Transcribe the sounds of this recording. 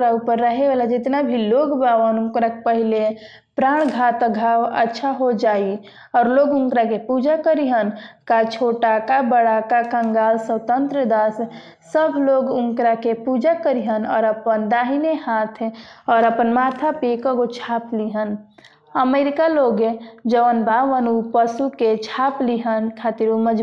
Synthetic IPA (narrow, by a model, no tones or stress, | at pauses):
ɾaupəɾːəɦeʋaːlad͡ʒɪt̪nabʱiloːɡbaːʋənʊ̃ŋkɾakepəɦile | pɾaːɽ̃ɡʱaːt̪ɡʱawə̰tːʃʰaɦod͡ʒaːi | ɔːɾloːɡʊ̃ŋkɾakepud͡ʒakəɾiɦənkat͡ʃʰoːʈakabəɽakakəŋɡaːlsəwt̪ə̃nt̪ɾəd̪aːs | səbʱloɡʊ̃ŋkɾakepud͡ʒakəɾiɦənɔːɾəpənd̪aːɦinehat̪ʰɔːɾəpənmat̪ʰapekəɡot͡ʃʰaːpliɦən | əmeɾikaloːɡed͡ʒəʋənbʱaːʋənupəsuket͡ʃʰaːpliɦənkʰaːt̪iɾuməd͡ʒ